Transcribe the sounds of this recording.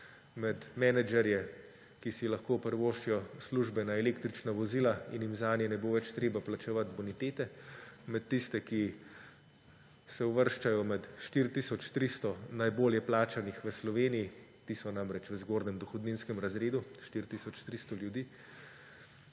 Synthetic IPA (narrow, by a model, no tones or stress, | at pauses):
mɛt̪mɛnɛd͡ʒɛɾjɛ | kisilɐxkoːpəɾʋoːʃt͡ʃijɔsluʒbɛnaɛleːkt̪ɾit͡ʃnaʋɔzilainjimzaːnjɛnɛboːʋɛt͡ʃt̪ɾeːbaplat͡ʃɛʋat̪bɔnit̪eːt̪ɛmɛt̪ːist̪ɛki | sɛuʋəɾʃt͡ʃajɔmɛt̪ʃt̪iɾt̪iːsɔt͡ʃt̪ɾist̪ɔnajboːljɛplaːt͡ʃanixʋəslɔʋeːnijit̪iːsɔnamɾɛt͡ʃʋəzɡoːɾnɛmd̪ɔxɔd̪ninskɛmɾazɾeːd̪uʃt̪iɾt̪isɔt͡ʃt̪ɾist̪ɔljud̪iː